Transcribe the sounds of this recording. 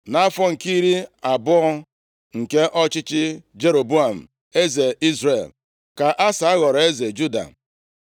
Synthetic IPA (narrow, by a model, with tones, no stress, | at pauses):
na˦fɔ˦ŋ̩˨ki˦ɾi˦a˨bʊ˦ɔ˦ | ŋ̩˨ke˦ʔɔ˦t͡ʃɪ˦t͡ʃɪ˦d͡ʒe˦ɾo˨bu˦a˨m̩˨ | e˦ze˨i˦zɾe˨l | ka˨ʔa˦sa˨a˦ɣɔ˨ɾɔ˨e˦ze˨d͡ʒu˦da̰˨